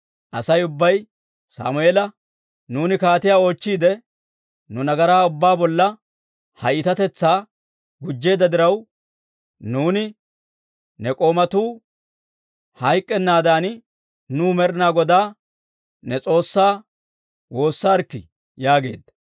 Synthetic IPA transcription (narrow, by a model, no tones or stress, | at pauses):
ʔɐsɐjʊbːɐj | sa̰ːmʊeːlɐ | nuːnɪkaːt̪ɪjaːo̞ːt͡ʃːiːd̪ɛ | nʊnɐɡɐɾaːʊbːaːbɔlːɐ | hɐjɪt̪ɐt̪ɛt͡sːaː | ɡʊd͡ʒːe̞ːd̪ɐd̪ɪɾɐw | nuːnɪ | nɛkʼo̞ːmɐt̪uː | hɐjkʼːɛnːaːd̪aːn | nuːmɛɾɪnaːɡɔd̪aː | nɛt͡sʼo̞ːsːaː | wo̞ːsːaːɾkːɪ | jaːɡe̞ːd̪ːɐ̥